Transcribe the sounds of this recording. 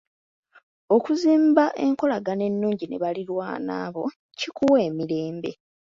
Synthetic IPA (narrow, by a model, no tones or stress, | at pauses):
o̞kuziːmbaʔe̞ŋko̞laɡane̞nːuːɲɟine̞̰βaliɾwaːna̰ːβo̞ | cikuwe̞ːmiɾe̞ːmbe̞̰